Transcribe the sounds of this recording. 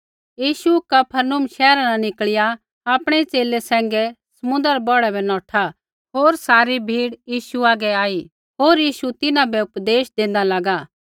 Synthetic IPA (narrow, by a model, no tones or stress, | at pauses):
jiːʃukɐpʰənʊmʃɛːɾananɪkɭɪja | aːpɽ̃ɛt͡seːlesɛ̃ːŋɡɛsɐmʊ̃nd̪əɾbɔːɽɛbɛnɔ̃ːʈʰa | ɦoːɾsaːɾibʱiːɽjiːʃuaːɡɛaːi | ɦoːɾjiːʃut̪ɪnãbɛʊpd̪eːʃd̪ẽːnd̪alɐɡaː